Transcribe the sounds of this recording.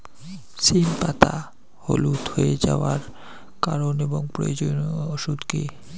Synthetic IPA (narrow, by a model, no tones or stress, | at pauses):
sinpat̪a | holut̪hoed͡ʑaoaɾ | kaɾoneboŋpɾojod͡ʑonoʃud̪ke